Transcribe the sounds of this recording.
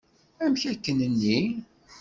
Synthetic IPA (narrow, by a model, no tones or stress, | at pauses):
æmçækːənənːi